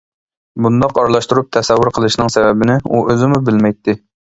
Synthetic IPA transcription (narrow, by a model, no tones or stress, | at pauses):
bund̪ɑqɑɾlˠɑʃt̪uɾup̚t̪ʰɛsɛwːʊɾqʰəlˠɨʃnɨŋsɛvɛbɪnɪuʔøzɪmubɪlmɛjt̪ʰːɪ